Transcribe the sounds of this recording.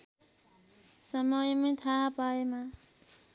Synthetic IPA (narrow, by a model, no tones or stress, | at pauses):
sʌmʌjmẽt̪ʰaɦpaema